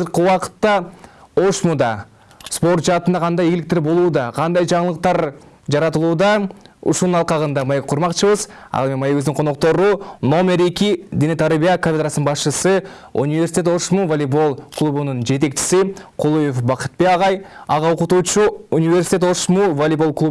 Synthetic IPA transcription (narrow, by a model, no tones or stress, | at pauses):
zəɾqəwɑqə̥t̪ːɑo̞ʃmud̪ɑ | spo̞rt̪ʒɑt̪ənd̪ɑqʰɑnd̪ɑjeɡɪlɪk̚t̪e̞ɾbo̞lˠud̪ɑqʰɑnd̪ɑjʒɑɴəlˠəq̚t̪ɑɾ | ʒɑɾɑt̪əlˠud̪ɑʊ̰ʃunənɑlˠqɑʁənd̪ɑmɑjek̚qʰʊɾmɑqt͡ʃəβəz | ɑ̰lˠemʲenmɑjewɵzd̪ɪɴqʰo̞no̞q̚t̪o̞ɾuno̞me̞ɾe̞kʲɪd̪ʲenet̪ʰɑɾbijakʰofʲed̪ɾasnənbɑsʃəsə | ṵnʲivʲesʲi̥t̪ʲet̪o̞ʃmuvolʲibo̞lˠkʰlˠubunənʒe̞t̪̬e̞kt͡ʃɪ̥sɪqʰolˠuje̞fbɑqə̥t̪̚beɑʁɑjɑʁɑoqʊt̪ut͡ʃuunʲijve̞rsi̥t̪ʲeo̞ʃmuvolʲibo̞lˠklˠu